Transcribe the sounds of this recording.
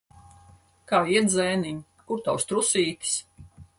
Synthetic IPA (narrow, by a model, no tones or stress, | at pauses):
kaːiɛd̪zɛːniɲ | kuɾt̪awst̪ɾusiːt̪ʲi̥s